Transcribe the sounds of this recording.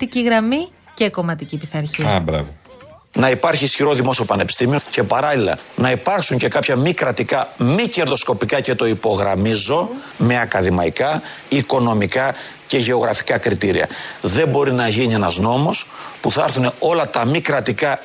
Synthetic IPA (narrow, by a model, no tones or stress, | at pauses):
t̪iciɣɾɐmiceko̞mɐt̪icipiθɐɾçibɾɐ̰vonɐipɐɾçiːsçiɾo̞ðimo̞siopɐne̞pist̪imioce̞pɐɾɐlilɐ̰nɐipɐɾksuɲce̞kɐpçɐmikɾɐt̪ikɐmice̞ɾðo̞sko̞pikɐce̞t̪o̞ipo̞ɣɾɐmizo̞ | me̞ɐkɐðimɐikɐ | iko̞no̞mikɐ | ce̞ʝe̞o̞ɣɾɐfi̥kɐkɾit̪iɾḭɐ̰ðembo̞ɾinɐʝinie̞nɐzno̞mo̞spuθɐɐɾθune̞o̞lɐt̪ɐmikɾɐt̪ikɐ